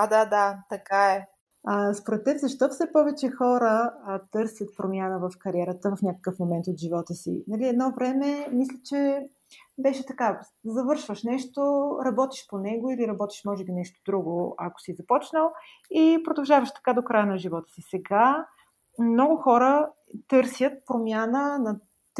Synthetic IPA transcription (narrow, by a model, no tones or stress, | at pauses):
ad̪ad̪at̪ɐkaɛ | əspoɾɛt̪ːɛbzɐʃt̪ɔfsɛpɔvɛt͡ʃɛxɔɾət̪ɤɾsʲjət̪̚pɾomjanəvəfkɐɾiɛɾət̪əvɐfnʲjakə̥kəfmomɛnt̪ot̪ʒivɔt̪əsḭnɐliɛd̪nɔvɾɛmɛmislʲət͡ʃɛ | bɛʃɛt̪ɐka | zɐvɤɾʃvəʃnɛʃt̪oɾɐbɔt̪i̥ʃponɛɡoiliɾɐbɔt̪i̥ʃmɔʒɛbinɛʃt̪o̥d̪ɾuɡoa̰ko̥sizɐpɔt͡ʃnəlˠ | ipɾod̪ɐlˠʒavəʃt̪ɐ̥kad̪okɾajənɐʒivɔt̪ə̥sisɛɡa | mnɔɡʊxɔɾə | t̪ɤɾsjət̪̚pɾomʲjanənɐ